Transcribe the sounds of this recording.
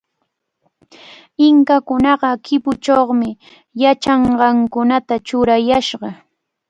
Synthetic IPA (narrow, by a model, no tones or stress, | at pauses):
ɪŋkakʊnɑɢɑkɪpʊt͡ʃoχmɪ | jat͡ʃɑɴɢɑŋkʊnat̪at͡ʃʊɾajaʃɢɑ